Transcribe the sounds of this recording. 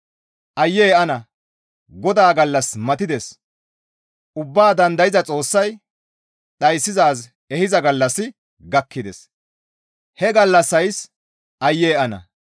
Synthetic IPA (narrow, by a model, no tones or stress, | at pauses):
ʔɐjːeːʔɐnɐ | ɡɔd̪aːɡɐlːɐsmɐt̪ɪd̪ɛs | ʔʊbːaːd̪ɐnd̪ɐjɪzɐt͡sʼo̞ːsːɐj | ɗɐjsːɪzaːz | ɛhɪzɐɡɐlːɐsːɪ | ɡɐkːɪd̪ɛs | hɛɡɐlːɐsːɐjs | ʔɐjːeːɐnɐ̰